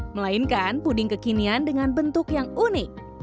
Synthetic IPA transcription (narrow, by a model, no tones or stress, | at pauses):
məlainkanpudɪŋkəkiniandəŋanbənt̪ʊkjaŋunɪk̚